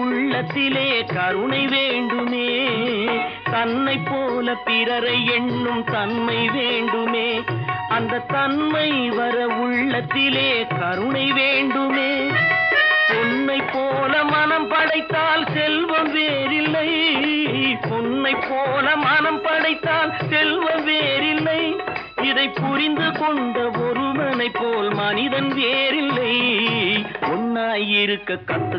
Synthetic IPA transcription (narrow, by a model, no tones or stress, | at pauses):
ʊɭːɐt̪ːɪleːkɐɾʊɳɐɪʋeːɳɖɯmeː | t̪ɐnːɐɪpːoːlɐpɪɾɐɾɐɪɛɳːɯmt̪ɐnmɐɪʋeːɳɖɯmeːɐnd̪ɐt̪ɐnmɐɪʋɐɾɐʊɭːɐt̪ːɪleːkɐɾɯɳɐɪʋeːɳɖɯmeː | pʊnːɐɪpːoːlɐmɐnɐmpɐɽɐɪt̪ːaːlsɛlʋɐmʋeːɾɪlːɐɪ | ɔnːɐɪpːoːlɐmɐnɐmpɐɽɐɪt̪ːaːlsɛlʋɐmʋeːɾɪlːɐɪ | ɪðɐɪpːʊɾɪnd̪ɯkɔɳɖɐɔɾɯmɐnɐɪpːoːlmɐnɪðɐnʋeːɾɪlːɐj | ɔnːaːjɪɾɯkːɐkːɐt̪ːɯ